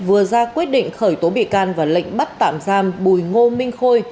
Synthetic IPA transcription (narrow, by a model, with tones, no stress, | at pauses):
vɨ˨˩əzaː˧kwi˦˥t̚ɗḭ̈˧˨ŋ̟xəː˧˩jt̪o˨˦ɓḭ˧˨kaː˧nvaː˨˩lə̰˧˨ŋ̟ɓa˦˥t̚t̪a̰ː˧˨mzaː˧mɓu˨˩jŋo˧mï˧ŋ̟xo˧j